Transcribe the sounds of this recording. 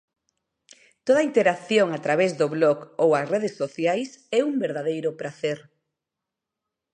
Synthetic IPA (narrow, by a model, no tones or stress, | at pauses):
t̪oð̞ɐaint̪eɾakθjoŋat̪ɾaβ̞ezðoβlɔɣowasreð̞esːoθjajsɛumbeɾðaðejɾʊpɾaθeɾ